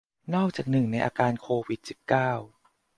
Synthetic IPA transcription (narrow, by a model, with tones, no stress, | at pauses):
nɔː˥˩k̚t͡ɕaː˨˩k̚nɯ˨˩ŋna˧jʔa̰ː˧kaː˧nkʰoː˧wi˨˦˩t̪̚si˨˩p̚kaː˥˩w